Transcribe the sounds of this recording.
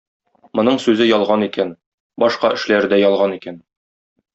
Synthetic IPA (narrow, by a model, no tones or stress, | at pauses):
mŏnɤɴsʉzɘjɒlˠʁɑnikæn | bɒʃqɑʔɘ̆ʃlæɾd̪æjɒlˠʁɑnikæn